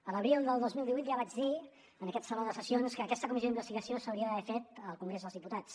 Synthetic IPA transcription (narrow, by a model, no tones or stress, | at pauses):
ələβɾilˠd̪əlˠd̪ozmilˠd̪iβujt̪ʒaβad͡ʒði | ənəkɛt̪səloðəsəsionskəːkɛst̪əkumizjoimbəst̪iɣəsiosəwɾiəəβɛfet̪əlˠkuŋɡɾezðəlzðiput̪at͡s